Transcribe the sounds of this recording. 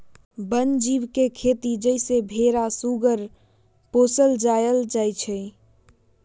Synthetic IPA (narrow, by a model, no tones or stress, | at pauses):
bənd͡ʒibkekʰet̪id͡ʒəɪsebʱeɾasuɡəɾ | posəld͡ʒajəld͡ʒajt͡ʃʰɛ